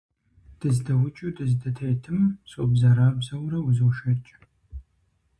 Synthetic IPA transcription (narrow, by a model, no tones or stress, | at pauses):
d̥ɨzdɐwʊt͡ʃʼudɨzdɐtʰejtʰɨmsʼoːbzɐɾaːbzɐwɾɐwzɨwʃɐt͡ʃʼ